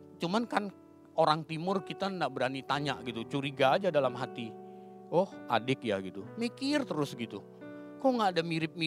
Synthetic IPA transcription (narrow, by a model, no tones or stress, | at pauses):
t͡ʃumankan | oɾaŋt̪imʊrkit̪anaʔbəɾanit̪aɲa̰ʔɡit̪ut͡ʃuɾiɡaːd͡ʒadalamɦat̪i | ɔhadɪk̚jaɡit̪umikɪrt̪əɾʊsɡit̪u | kɔŋɡaːdamiɾɪp̚mi